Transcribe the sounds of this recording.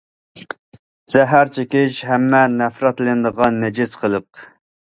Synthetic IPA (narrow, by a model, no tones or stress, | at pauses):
z̥ɛɦæɾt͡ʃʰekʲɪʃɦɛmːɛnɛfɾɑt̪lˠɨnɨd̪əʁɑnːɛd͡ʒɪsqʰəlˠəq̚